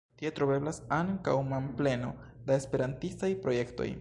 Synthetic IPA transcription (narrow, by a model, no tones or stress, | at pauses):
tiet̪ɾo̞be̞blasaŋka̰wmample̞no̞̰daespe̞ɾantistajpɾo̞je̞kto̞̰j